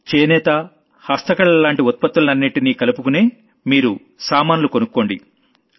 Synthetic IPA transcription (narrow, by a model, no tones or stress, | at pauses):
t͡ʃeːnɛːt̪ɐ | hɐst̪ɐkɐɭɐlaːɳʈiɔt̪̚pɐt̪ːulɐnɐnːiʈiniːkɐlupukune̞ː | miːɾu | saːmaːnulukonukːo̞ːɳɖi